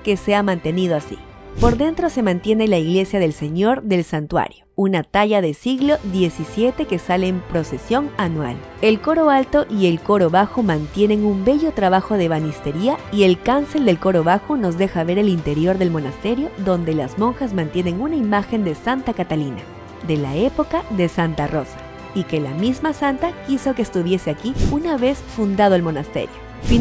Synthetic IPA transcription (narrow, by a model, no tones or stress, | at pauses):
ke̞se̞amãnt̪e̞nið̞oasḭpo̞ɾðe̞nt̪ɾo̞se̞mãnt̪je̞ne̞laiɣle̞sjað̞e̞lseɲo̞ɾðe̞lsant̪wa̰ɾjounat̪aʝaðe̞siɣlo̞ðje̞sisje̞t̪e̞ke̞saleːmpɾo̞se̞sjo̞ŋanwa̰l | e̞lko̞ɾo̞alt̪o̞ʔie̞lko̞ɾo̞βaxo̞mãnt̪je̞ne̞ŋumbe̞ʝo̞t̪ɾaβaxo̞ðe̞βanist̪e̞ɾiaie̞lkanse̞ld̪e̞lko̞ɾo̞βaxo̞no̞zðe̞xaβe̞ɾelint̪e̞ɾjo̞ɾðe̞lmo̞nast̪e̞ɾjo̞ðo̞nd̪e̞lazmõ̞ŋxazmãnt̪je̞ne̞ŋunaimaxe̞nd̪e̞sant̪akat̪alina̰ | ðe̞lae̞po̞kaðe̞sant̪aro̞sḁ | ike̞la̰mizmasant̪akiso̞keːst̪uβje̞se̞akiunaβe̞sfund̪að̞oelmo̞nast̪ḛɾjo | fi